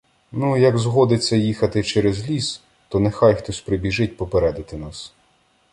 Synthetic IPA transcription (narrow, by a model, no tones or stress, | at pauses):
nujɐɡzɦɔd̪ɪt͡sʲːɐjixɐt̪ɪt͡ʃɛɾezlʲis | t̪ɔnexajxt̪ɔsʲpɾɪbʲiʒɪt̚ʲpɔpeɾɛd̪ɪt̪ɪnas